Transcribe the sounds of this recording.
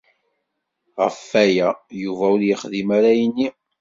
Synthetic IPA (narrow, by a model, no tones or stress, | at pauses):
ʁə̰fːæjæjuvæʊɾjəχðimaɾæjənːi